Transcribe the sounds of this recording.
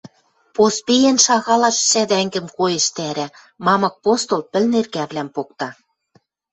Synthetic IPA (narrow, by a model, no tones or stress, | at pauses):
pospijenʃɑɣɑlɑʃsæd̪æŋɡɘ̆mkojĕʃt̪æɾæ̆ | mɑmɤ̆k̚post̪olpɘ̆lnerɣæβlæmpok̚t̪ɑ